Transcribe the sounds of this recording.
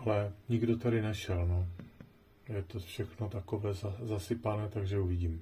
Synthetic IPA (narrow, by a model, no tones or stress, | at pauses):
ʔalɛɲɪɡdo̞t̪aɾɪnɛʃɛlno | jɛt̪o̞fʃɛxno̞t̪ako̞vɛːzazasɪpanɛːt̪aɡʒɛuvɪɟiːm